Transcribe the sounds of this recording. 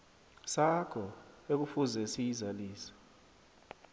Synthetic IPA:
sakʰɔek̬ufuzɛsijizaliːsḁ

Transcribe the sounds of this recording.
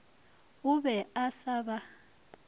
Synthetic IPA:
uɓɛasaɓa

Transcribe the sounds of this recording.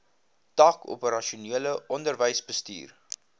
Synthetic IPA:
tɑːko̰pəɾɐʃuniələʔɔndərvəjsbəsty̰ːr

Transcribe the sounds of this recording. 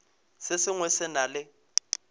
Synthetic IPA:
sɪsɪŋwɛsɪnalɪ

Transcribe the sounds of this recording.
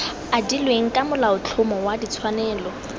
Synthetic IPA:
adilweŋ̩kʼamʊlaʊt͡ɬʰʊmɔwadit͡sʰwanɛːlɔ

